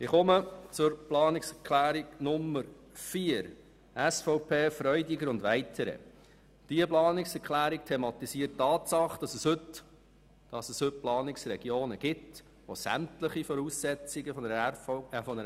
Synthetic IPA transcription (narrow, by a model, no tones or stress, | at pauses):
ɪχʊmət͡sʊɾplɑːnɪksɛkʰlæːɾiɡnʊmːəɾ | fiːəɾ | æsfɔʊpʰeːfɾœʏdɪɡəɾʊndʋæɪtʰəɾə̰ | d̥iəplɑːnɪksɛɾkχlæːɾik̚tʰemɑt̪isiːəttːɑːtsɑχd̥ɑsəshɵt | d̥ɑsəshɵt̚plɑːnɪksɾɛɡ̥joːnəɡ̥ɪt | ʋo̰sæ̰mtləχifɔɾuːsːɛt͡sɪɡəf | fɔnə